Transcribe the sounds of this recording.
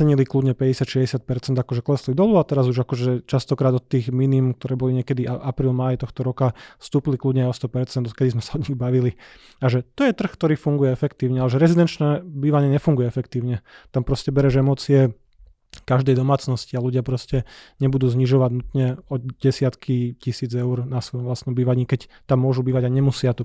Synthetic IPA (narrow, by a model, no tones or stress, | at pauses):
ɛɲilikludɲɛpɛɟɛsɪat̪ʃɛzɟɛsɪat̪̚pɛɾt͡sɛnd̪akɔʒɛklɛslid̪ɔluat̪ɛɾazuʒakɔʒɛt͡ʃast̪ɔkɾaːd̪ɔt̪ːiːɣminimk̚t̪ɔɾɛːbɔliɲɪɛkɛd̪iʔaʔapɾiːlmaːjt̪ɔxt̪ɔɾɔkast̪uːpilikludɲɛajɔst̪ɔpɛɾt͡sɛnd̪ɔt̪̚kɛd̪izmɛsaɔd̪ɲiɣbaʋili | aʒɛt̪ɔjɛt̪r̩xkt̪ɔɾiːfuŋɡujɛɛfɛkt̪iːʊɲɛalɛʒɛɾɛzid̪ɛnt͡ʃnɛbiːʋaɲɪɛɲɛfuŋɡujɛɛfɛkt̪iːʊɲɛt̪ampɾɔscɛbɛɾɛʒɛmɔːt͡siɛ | kaʒd̪ɛjd̪ɔmaːt͡snɔscialuɟɪapɾɔscɛɲɛbud̪uːzɲiʒɔʋaɟnut̪ɲɛɔɟɛsɪat̪kʰicisiːd͡zɛʊɾnasʋɔjɔmʋlast̪nɔmbiːʋaɲiːkɛct̪amːʊɔʒubiːʋaɟaɲɛmusɪat̪ɔ